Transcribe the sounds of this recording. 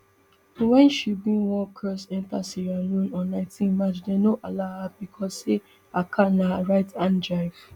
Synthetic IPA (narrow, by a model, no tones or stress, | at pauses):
wɛ̃nʃibĩnwɔ̃kʰɜsɛ̃ntasiɾalũnɔ̃nãɪ̃tʰĩnmat͡ʃdenoʔalahabikʰɔse | akʰãnaɹaɪtʰãndɹaɪv̥